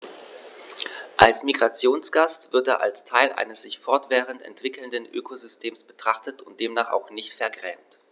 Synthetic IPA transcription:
ʔalsmiɡʁat͡sjoːnsɡ̥astv̥ɪɐtḛːɐʔa̰lstʰaɪlʔa̰ɪnəsz̥ɪçfɔɐtv̥ɛːʁ̞əntɛ̰ntv̥ɪkl̩ndənʔø̰ːkʰozʏstʰeːmsb̥ətʁ̥aχtətʊnt̚d̥eːmnaːχa̰ʊxnɪçtfɛɐɡʁɛːmt

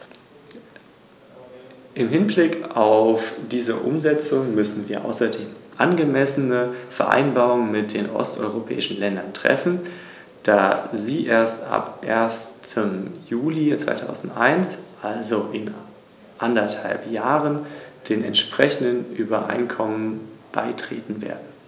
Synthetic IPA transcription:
ʔɪmɦɪnblɪkʰaʊfd̥iːzəʔʊmzɛt͡sʊŋmʏsn̩viːɐʔa̰ʊsɐdeːmʔanɡəmɛsənəfɛɐʔa̰ɪnbaːʁʊŋənmɪt̚d̥eːnʔɔ̰stʔɔ̰ʏʁopʰɛ̰ːɪʃn̩lɛndɐntʁ̥ɛ̰fn̩ | d̥aːziːʔeːɐsta̰pʔeːɐstʰəmjuːlit͡sv̥a̰ɪtʰa̰ʊzn̩tʔa̰ɪnsʔalzoʔɪn | ʔandɐtha̰lpjaːʁənd̥eːnɛ̰ntʃpʁ̥ɛçn̩dənʔyːbɐʔa̰ɪnkʰɔmənb̥a̰ɪtʁ̥ḛːtn̩vḛːɐdn̩

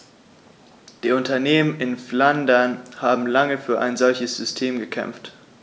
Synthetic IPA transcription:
d̥iːʊntɐneːmənʔɪnflandɐnhaːbm̩laŋəfyːɐʔa̰ɪnzɔlçəsz̥ʏstʰeːmɡəkʰɛ̰mft

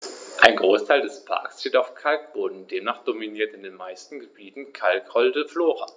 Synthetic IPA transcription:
ʔaɪnɡʁoːstʰaɪldɛspʰa̰ɐksʃteːtaʊfkʰalk̚b̥oːdn̩deːnaːχd̥ominiːɐtɪndeːnmaɪstn̩ɡəbiːtn̩kʰalkhɔldəfloːʁa̰

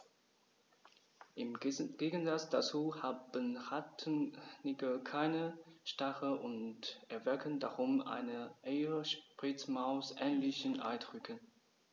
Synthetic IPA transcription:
ʔɪmɡ̥eːɡənzat͡sd̥at͡suːhaːbənʁatnɪɡəkʰaɪnəʃtaχəʔʊntʔɛɐvɛkʰəndaʁʊmʔa̰ɪnəʔeːəʃpʁ̥ɪt͡smaʊsʔɛːnlɪçənʔa̰ɪdʁʏkʰən

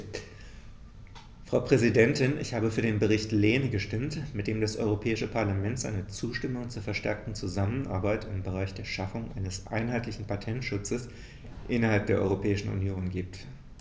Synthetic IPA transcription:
fʁ̥aʊpʁ̥ɛzidɛntɪnɪ̰çhaːbəfyːɐɾeːnbəʁ̞ɪçtleːnəɡəʃtɪmtmɪt̚d̥eːmdasʔɔ̰ʏʁ̞opʰɛːɪʃəpʰaɐlamɛntz̥a̰ɪnət͡suːʃtɪmʊŋt͡suːɐfɛɐʃtɛɐk̚tn̩t͡suzamənʔa̰ɐbaɪtɪmbəʁ̞aɪçd̥eːɐʃafʊŋʔa̰ɪnəsʔa̰ɪnɦaɪtʰlɪçn̩patʰɛntʃʊt͡səs | ʔɪnɐhalp̚d̥eːɐʔɔ̰ʁopʰɛːɪʃn̩ṵnjoːnɡiːp̚t

